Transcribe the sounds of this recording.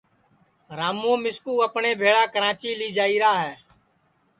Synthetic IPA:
ɾaːmːõːmɪskuːəpneːbʱeːɽaːkəɾaːt͡ʃiːliːd͡ʒaːiːɾaːɦɛː

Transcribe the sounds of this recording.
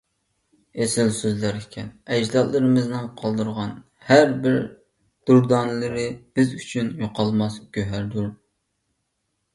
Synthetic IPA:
esɪlsøzlæɾikʲʰɛnɛd͡ʒd̪ɑllˠɨɾɨmɨznɨŋqʰɑlˠd̪ɨɾʁɑn | hæɾbɪɾ | d̪̥uɾd̪ɑnlˠɨɾɨb̥ɪzyt͡ʃʰynjoqʰɑlˠmɑsɡʲøɦæɾd̪uɾ

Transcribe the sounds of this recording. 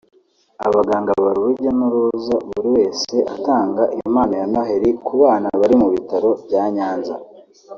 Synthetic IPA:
aβaɡaːŋɡaβaɾuβuɾɟonuɾuzaβuɾiwe̞ːse̞ʔataːŋɡaʔijomaːnajanaɦeɾikuβaːnaβaɾimuβitaɾo̞βɟaːɲaːnza̰

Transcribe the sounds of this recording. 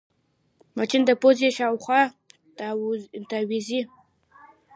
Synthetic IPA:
mat͡ʃind̪əpozeʃɑwxwɑ | t̪awizi

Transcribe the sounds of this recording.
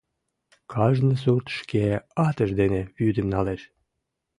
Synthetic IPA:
kʰɑʒnəs̬urt̪ʃkeɑt̪ə̆ʒd̪eneβjyd̪ɘmnɑleʃ

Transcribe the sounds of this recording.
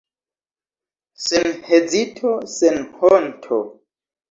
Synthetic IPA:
senhed͡zitʰosenhontʰo̰

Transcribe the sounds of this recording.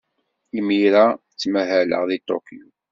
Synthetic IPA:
imiɾa | t͡sːmæɦælə̰ʁðit̪ˤːo̰kiu

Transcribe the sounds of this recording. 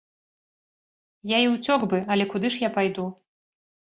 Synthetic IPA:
jaiwt͡sʲɔɡbɨɐlʲɛkud̪ɨʂjapajd̪u

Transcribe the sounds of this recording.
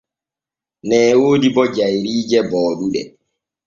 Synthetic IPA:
nɛːwoːdibɔd͡ʒajɾiːd͡ʒɛbɔːɗuɗɛ

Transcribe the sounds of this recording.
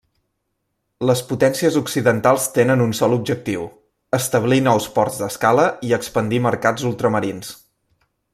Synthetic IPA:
ləsput̪ɛnsiəzuksiðənt̪alˠst̪enənunsɔlub̚d͡ʒək̚t̪iw | əst̪əβlinɔwspɔrzd̪əskaləiəkspənd̪iməɾkad͡zulˠt̪ɾəməɾins

